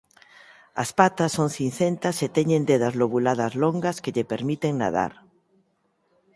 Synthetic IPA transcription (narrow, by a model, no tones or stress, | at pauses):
a̰spat̪asːoŋθin̟θent̪aset̪eɲẽnd̪eðazloβulaðazloŋɡaskeʎepeɾmit̪eŋna̰ð̞a̰ɾ